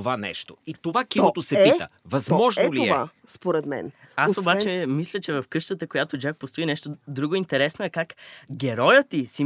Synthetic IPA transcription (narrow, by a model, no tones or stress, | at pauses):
vanɛ̰ʃt̪oit̪ovakiot̪osɛpit̪ə̰vɐzmɔʒolioɛaspoɾɛt̪mɛ̰n | asobat͡ʃɛmislʲət͡ʃɛvɐfkɤʃt̪ət̪əkojat̪od͡ʒak̚post̪oʊinɛʃt̪od̪ɾuɡoint̪ɛɾɛsnoɛkakɡʲɛɾɔjət̪isi